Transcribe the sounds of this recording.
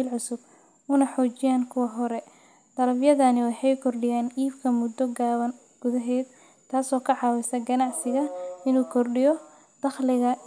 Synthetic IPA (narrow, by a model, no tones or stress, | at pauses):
lʕʊsʊb | ʊnɐħɔːt͡ʃɪjaːnkʰʊwɑɦɔɾɛ | d̪̥ɐɾɐfjɐðɐnɪwajħɛjkʰɔrɖɪjaːnʔiːbkʰɐmʊd̪ɔɡaːβɐn | ɡ̥ʊðɐɦɛːd̪̚ | t̪ʰːaːsɔːkʰɐʕɑːwɪsɐɡɐnɑʕsɪɣɐɪnuːkʰɔrɖɪjɔ | d̪̥ɑχlɪɣɐ